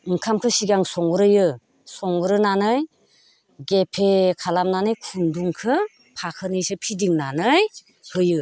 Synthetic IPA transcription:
ɯŋkʰamkʰɯsiɡaŋsɔŋɯɾɯjɯ | sɔŋɡɯɾɯnanɯj | ɡepʰekʰalamnanɯjkʰunduŋkʰɯ | pʰakʰɯnijsɯpʰidiŋnanɯj | hɯjɯ

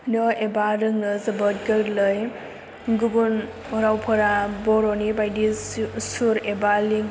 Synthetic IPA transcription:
nɔebaɾɯŋnɯzɐbət̚ɡɯɾlɯj | ɡuɡun | ɔɾawpʰɐɾabɔɾonibajdisuɾebaliŋ

